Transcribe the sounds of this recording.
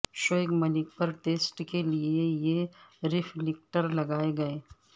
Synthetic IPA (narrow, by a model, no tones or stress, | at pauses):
ʃoːɪkmɐlɪk̚pɐɾʈeːsʈkeliejeɾɪflɪk̚ʈəɾlɐɡaːeɡɐeː